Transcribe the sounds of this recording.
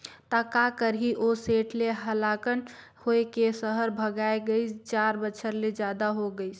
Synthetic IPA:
t̪akakəɾɦiʔoseʈleɦəlakən | hoekesəɦəɾbʱəɡaeɡəɪst͡ʃaɾbəːt͡ʃʰəɾled͡ʒad̪aɦoɡəɪs

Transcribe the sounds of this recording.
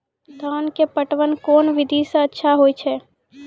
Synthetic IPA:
d̪ʱaːnkepəʈʋənkɔːnʋɪd̪ʱisẽətːʃʰaɦoːit͡ʃʰɛː

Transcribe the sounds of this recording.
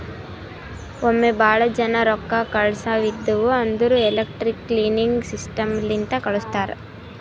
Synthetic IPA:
omːebaːɭɐd͡ʒɐnɐɾɔkːɐkɐɭsɐʋid̪ːuʋuɐnd̪uɾuelɐk̚ʈɾikːliːniŋɡsisʈɐmlint̪ɐkɐɭust̪aːɾɐ

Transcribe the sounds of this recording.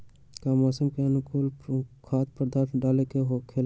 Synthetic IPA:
kamɔːsəmkeɐnʊkuːlkʰaːt̪̚pəɾd̪ʱaːt̪ʰɖaːlekeɦokʰeːl

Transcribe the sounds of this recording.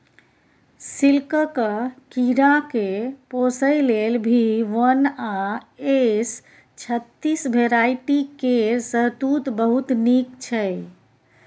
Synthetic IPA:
silkəkəkiɾakeposəjlelbʱiʋənaes | t͡ʃʰət̪ːisbʱeɾaiʈikeɾsəɦt̪ut̪bəɦut̪nikt͡ʃʰɛ

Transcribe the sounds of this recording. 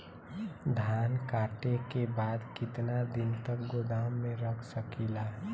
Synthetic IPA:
d̪ʱaːnkaːʈekebaːd̪kɪt̪nad̪ɪnt̪əkɡod̪aːmːẽɾəkʰsəkila

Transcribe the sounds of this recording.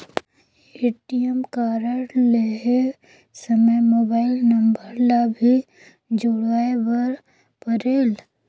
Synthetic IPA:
eːʈijɛmkaːɾəɾleɦe | səməjmoːbaːɪlnɐmbəɾlabʱi | d͡ʒʊɽaːebəɾ | pəɾeːl

